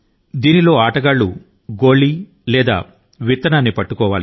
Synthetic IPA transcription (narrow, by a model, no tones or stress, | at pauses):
d̪iːnilo̞ːaːʈɐɡaːɭːu | ɡo̞ːɭi | lɛːd̪a̰ː | ʋit̪ːɐnaːnːipɐʈːukɔːʋaːli